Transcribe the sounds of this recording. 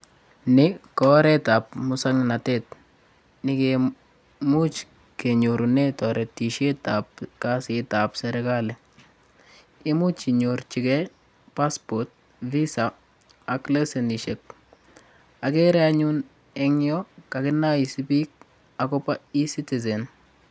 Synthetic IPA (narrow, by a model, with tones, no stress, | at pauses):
nɪ˦kɔ˦ɾɛ˦ta˨p̚mʊsaŋna˨tɛt̚ | nɪ˨ke | mu˦t͡ʃ | ke˨ɲo˨ɾunetɔ˨ɾɛ˨ti˨ʃe˦tapka˦sɪta˨psɛɾɛkalɛ | ɪ˦mu˦t͡ʃi˨ɲoɾt͡ʃi˨kɛ | paspɔt̚ | visa | akle˦seni˨ʃe˨k̚ | a˨kɛ˦ɾɛaɲun | ɛ˦ŋjɔka˨kɪ˦nːa˦i˨sipi˦k̚ | a˨kɔpai˦siti˨zɛn